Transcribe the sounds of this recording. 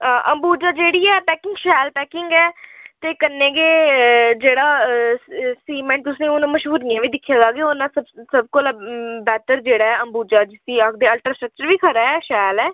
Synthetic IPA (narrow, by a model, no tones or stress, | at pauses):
ʔə̃mbuːd͡ʒaːd͡ʒeːɽiːɛːpɛːkɪŋɡʃɛːlpɛːkɪŋɡɛːt̪eːkənːẽːɡeːd͡ʒeːɽaː | siːmɛ̃ːɳʈ̚t̪ʊsnẽːʊnũːməʃɦuːɾijãːʋiːd̪ɪkʰːjaːzaːɡeːʊnãːəbsəb̚kʊlːbɛːt̪əɾd͡ʒeːɽaːɛːəmbuːd͡ʒaːd͡ʒɪsiːəkd̪eːəlʈɾaːsʈɾək̚t͡ʃəɾʋiːkʰəɾaːɛːʃɛːlɛː